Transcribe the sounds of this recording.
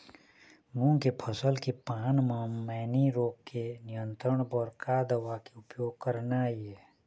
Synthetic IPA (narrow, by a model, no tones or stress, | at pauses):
mũkepʰəsəlkepaːnmamɛːniɾoːɡkenɪjə̃nt̪ɾəɽ̃bɔɾkad̪əʋakeʊpjoːɡ̚kəɾnaiɦɛː